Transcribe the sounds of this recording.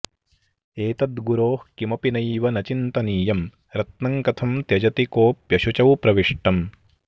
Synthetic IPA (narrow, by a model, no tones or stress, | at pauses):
eːt̪ɐd̪ɡuɾoːhkimɐpinɐjʋɐnɐt͡ʃint̪ɐniːjɐm | ɾɐt̪nɐŋkɐt̪ʰɐmt̪jɐd͡ʒɐt̪ikoːpjɐʃut͡ʃɐwpɾɐʋiʂʈɐm